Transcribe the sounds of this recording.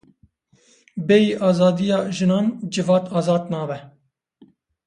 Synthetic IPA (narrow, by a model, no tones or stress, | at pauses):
bɛiːʔɑːzɑːd̪ijɑːʒɨnɑːnd͡ʒɨvɑːt̪ʰɑːzɑːd̪nɑːbɛ